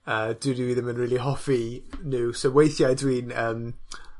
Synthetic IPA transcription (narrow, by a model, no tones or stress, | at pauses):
əːd̥wɪdiwiːðəmənɹiːlˠiɦɔfinɨːsowejθjajdwiːnəːm